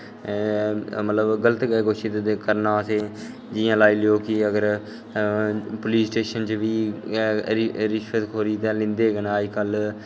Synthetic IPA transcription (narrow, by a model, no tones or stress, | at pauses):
mət̪ləbɡələt̪ɡɡoːʃit̪ekəɾnaːseː | d͡ʒɪːãːlaːiːlɪjoːkɪəɡəɾ | pʊliːsʈeːʃənt͡ʃʋiː | ɾɾɪʃət̪kʰoːɾiːt̪ẽːlɪ̃nd̪eːɡənaːd͡ʒkəl